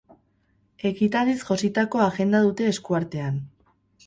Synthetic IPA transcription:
e̞kit̪alisʝo̞sit̪ako̞aɣe̞nd̪aðut̪e̞ːskuaɾt̪e̞an

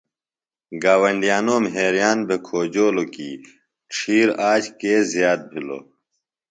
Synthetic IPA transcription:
ɡaːwɐɳɖijaːnoːmɦeːɾijaːnbʱekʰoːd͡ʑoːlokḭː | ʈ͡ʂʰiːɾaːt͡ɕʰkeːzijaːt̪̚bʱilo̰ː

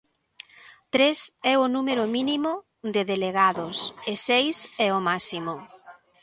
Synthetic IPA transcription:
t̪ɾesɛʊnumeɾʊminimʊ | d̪ɪðeleɣaðosɪsejsɛomasimʊ

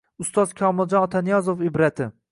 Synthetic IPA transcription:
ʊst̪ɒz̥kʲʰɒmɪlˠd͡ʒɒnɒt̪ʰanijɒzofɪbɾat̪ʰɪ

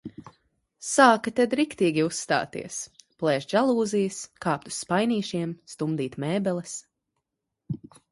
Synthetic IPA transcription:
saːkat̪ɛd̪ɾikt̪iːɡʲiusːt̪a̰ːt̪ḭɛsplˠɛːʒd͡ʒalˠuːzijɨskaːp̚t̪u̥sːpajniːʃiɛmst̪umd̪iːt̪mɛːbɛlˠɛs

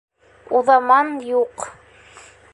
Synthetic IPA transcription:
uðɑmɑnjuq

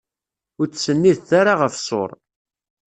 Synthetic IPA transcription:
ʊɾt͡sːsənːiðθaɾaʁəfsˤo̰ɾˤ

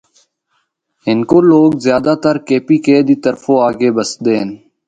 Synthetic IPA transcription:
ɦɪnkoːloːɡzjaːd̪aːt̪əɾkeːpiːkeːd̪iːt̪əɾfoːaːɡeːbəsd̪eːn

